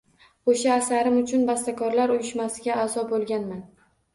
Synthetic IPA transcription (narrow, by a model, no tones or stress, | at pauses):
oʃaːsaɾɪmʊt͡ʃʰʊnbast̪akʰɒɾlaɾʊjɪʃmasɪɡʲaːzɒbolˠɡʲanman